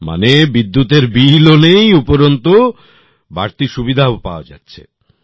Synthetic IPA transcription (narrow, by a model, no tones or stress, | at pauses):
ma̰nebid̪ːut̪eɾbilonejupoɾont̪o | baɾt̪iʃubid̪ʱaopa̰oad͡ʑa̰tːɕʰḛ